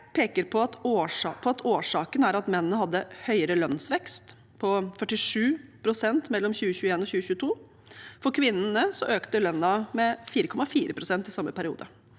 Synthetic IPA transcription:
pʰeːkəɾpʰɔɑt̪oːʂɑpʰɔɑt̪ʰoːʂɑːkənæɾɑt̪mɛnənəhɑd̪ːəhœʏəɾəlœnsʋɛkst̪ | pʰɔfœʈːɪʂʉːpʰɾʊsɛnt̪mɛlːɔmçʉːəçʉːəeːnɔçʉːəçʉːət̪ʰuː | fɔɾkʰʋɪnnəsɔʔøːkt̪əlœnːɑmɛfiːɾəkʰɔmːɑfiːɾəpʰɾʊsɛnt̪ɪsɑmːəpʰæɾɪṵːd̪ə

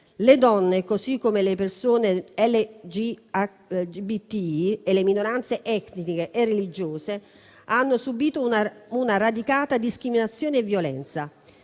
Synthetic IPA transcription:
led̪ɔnːekosikːomelepersoːneɛlːed͡ʒi | bit̪ielːeminoɾant̪seʔɛt̪nnikeʔerːelid͡ʒoːse | anːosubiːt̪ounaɾad̪ikaːt̪ad̪iskɾiminat̪sːjoːneɛvːjolɛ̰nt̪sa

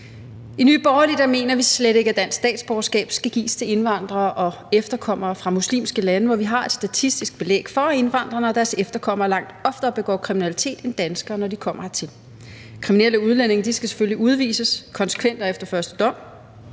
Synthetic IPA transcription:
iny̰ːb̥ɒʊɐlid̥ɐme̝̰ːnɐʋisleɾ̥e̝ɡ̥æd̥æn̰ssːd̥ɛ̰ːd̥sb̥ɒʊɐsɡ̥ɛ̰ːb̥sɡ̥æɡ̥ḭːst͡sʰe̝le̝nʋɑ̈n̰d̥ʁɐːʔɒ̽ | efd̥ɐkʰɒ̽m̰ɐːfʁɑ̈muslḭːmsɡ̥əlænəʋɒʋiɦɑ̈e̝d̥sd̥æt͡sʰisd̥isɡ̥̚b̥e̝lḛːɡ̥fɒe̝nʋɑ̈n̰d̥ʁɐnəɒ̽d̥æɐsefd̥ɐkʰɒ̽m̰ɐlɑ̈ŋ̰d̥ɒ̽fd̥ɐb̥e̝ɡ̥ɒ̰ːkʰʁiminælit͡sʰe̝̰ːd̥end̥ænsɡ̥ɐːnɒdikʰɒ̽m̰ɐt͡sʰe̝l | kʰʁiminel̰əuð̞ˠlene̝ŋɐd̥isɡ̥æse̥følliuð̞ˠʋḭːsəskʰɒ̽nsə̥kʰʋen̰d̥ɐefd̥ɐfɶɐsd̥əd̥ɒ̽m̰

